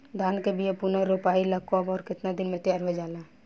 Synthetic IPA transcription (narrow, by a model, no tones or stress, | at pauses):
d̪ʱaːnkebijepunaɾoːpaːiləkkːɔːbɔːɾkɪt̪nad̪ɪnmẽt̪ɪjaːɾɦod͡ʒaːla